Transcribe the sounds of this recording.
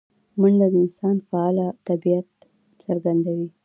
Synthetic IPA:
mund̪ad̪əɪnsɑnfaɑlat̪abijat̪̚ | t͡səɾɡand̪awi

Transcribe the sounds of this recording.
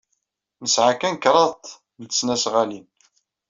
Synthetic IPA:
nəsʕakænkɾˤɑðt̪ | nət͡sːnæsʁalin

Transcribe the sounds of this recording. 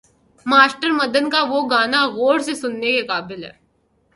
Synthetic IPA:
maːsʈəɾmɐd̪ənkaʋoɡaːnaɣoːɽsesʊnːekekaːbɪlɦɛ̰ː

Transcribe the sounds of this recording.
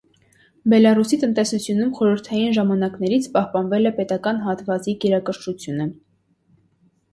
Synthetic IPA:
bɛlɑrusit̪ənt̪ɛsut͡sʰjunumχɔɾəɾt̪ʰɑjinʒɑmɑnɑknɛɾit͡sʰpɑhpɑnvɛlɛpɛt̪ɑkɑnɦɑt̪vɑt͡siɡɛɾɑkəɾʃut͡sʰjunə

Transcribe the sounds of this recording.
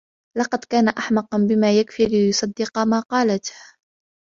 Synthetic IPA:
lɑqɑd̪kaːnaʔaħmɑqɑnbɪmaːjakfiːlɪjʊsˤɑd̪ːɪqɑmaːqɑːlat̪h

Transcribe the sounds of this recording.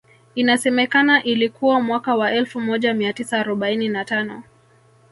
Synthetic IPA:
inasɛmɛkanaʔilikuwamwakawaʔɛlfumɔʄamiatisaːɾɔɓaininatanɔ

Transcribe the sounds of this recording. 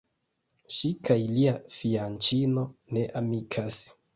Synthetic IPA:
ʃikʰajliafiant͡ʃino̞ne̞ʔamikʰas

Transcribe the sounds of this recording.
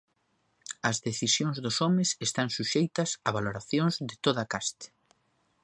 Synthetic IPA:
ɐzðeθisjoŋzðʊsɔmɪsest̪aŋsuʃejt̪ɐsɐβaloɾaθjoŋzðɪt̪oðɐkast̪ɪ̥

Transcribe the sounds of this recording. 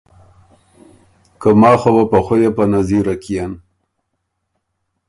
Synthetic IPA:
kəmɑːxobapaxojepanaziɾakijan

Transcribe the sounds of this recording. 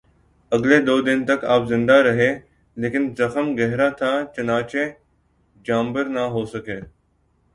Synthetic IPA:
əɡleːd̪oːd̪ɪnt̪əkaːpzɪ̃nd̪aɾɐɦeː | leːkɪnzəxəmɡɛɦɾat̪ʰaːt͡ʃənaːt͡ʃeː | d͡ʒaːmbəɾnaːɦoːsəkeː

